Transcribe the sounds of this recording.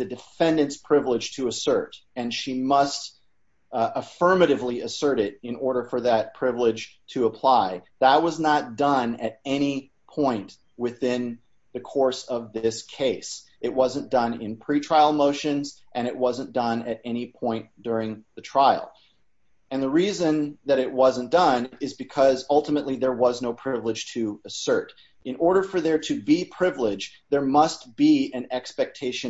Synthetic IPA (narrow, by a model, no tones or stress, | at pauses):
ðɨdɨfɛ̃ndɨ̃ntspʰɹ̥ɪvlɪd̥ʒ̥tʰɨːsɜ˞ɾɨ̃nʃimʌst | əfɜ˞mɨɾɨvliɨsɜ˞ɾɪɾɨ̃nɔɹɾə˞fə˞ðɨt̚pʰɹ̥ɪvlɪd̥ʒ̥tʰɨəpʰl̥aɪðət̚wʌznət̚d̥ʌ̃nɨɾɛñi | pʰɔ̃ɪ̃n | wɪθɪ̃n | ðɨkʰɔɹsʌvðɪskʰeɪs | ɨt̚wʌzɨ̃nd̥ʌ̃nɪ̰̃npʰɹ̥itʰɹ̥aɪl̩ˠmoʊʃɨ̃nzʔɨ̃ɾ̃ɨʔ̚wʌzɨ̃nd̥ʌ̃nɨɾɛñipʰɔ̃ɪ̃nd̥ʊɹɪ̃ŋðɨtʰɹ̥aɪl̩ˠ | ɨ̃nðəɹizɨ̃nðɨɾɨʔ̚wʌzə̃nd̥ʌ̃nɪzbɨkʰʌzʌlˠtəmɨʔˡliðə˞wʌznoʊpʰɹ̥ɪvlɨd̥ʒ̥tʰɨɨsɜ˞ɾ | ɨ̃nɔɹɾə˞fə˞ðə˞ɾɨbipʰɹ̥ɪvlɪd͡ʒ | ðə˞mʌst̚b̥iɨ̃nɛkspɛk̚tʰeɪʃɨ̃